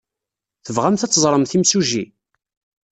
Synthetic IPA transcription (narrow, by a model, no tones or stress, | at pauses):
θəvʁamθæt͡sːzˤɾˤəmθimsuʒi